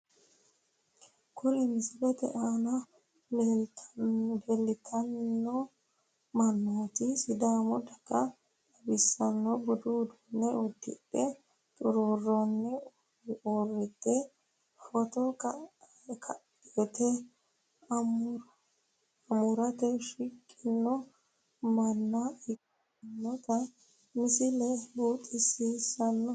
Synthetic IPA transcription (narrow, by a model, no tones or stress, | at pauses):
kʰulimisbɛt̪ɛ̰ʔana | belːit̪ʰanːɔ | manːot̪isidaːmɔdaka | ʔabisːanːɔbududɔnːɛudḭɗɛ | t̪ʼuɾuɾɔnːɛ | ɔrːɪt̪ːɛ | fɔt̪ɔ | kʰɐ | et̪ɛ | ɐ | ɐmʊɾɐt̪ɛʃɪkʼːɪnːɔ | mɐnːɐɪkʼː | ɪnːɔt̪ɐ | mɪsɪlɛbuːt̪ʼːɪsiːsɐnːɔ